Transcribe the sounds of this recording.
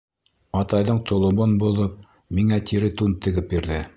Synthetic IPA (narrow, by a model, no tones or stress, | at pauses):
ɑt̪ɑjðɤɴt̪ʰŏlˠɤ̆monbulˠɤp̚ | miŋæt̪ʰiɾɘt̪unt̪ɘ̆ɡɘp̚biɾðɘ